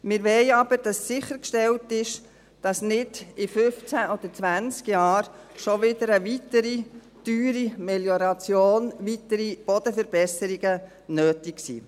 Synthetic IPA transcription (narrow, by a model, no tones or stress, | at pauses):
mɪɾʋɛɪɑb̥əɾd̥ɑsːɪχəɾkʃtɛltɪʃ | d̥ɑsnɪdɪfʏft͡sæʔɔd̥̪əɾt͡svænt͡skjɑːɾ | ʃɔʋɪdəɾəʋitəɾi | d̥yːɾimɛljɔɾɑt͡sjoːnʋitəɾib̥ɔd̥̪əfəɾb̥ɛsəɾiɡə | nøːtiksḭː